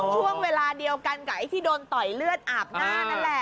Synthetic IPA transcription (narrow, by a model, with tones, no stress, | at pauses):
t͡ɕʰu˥˩əŋweː˧laː˧di˧əwka˧nka˩˦jt̪ʰiː˥˩doː˧nt̪ɔ˨˩jlɯ˥˩ət̪̚ʔaː˨˩p̚naː˥˩na˥˩nlɛ˨˩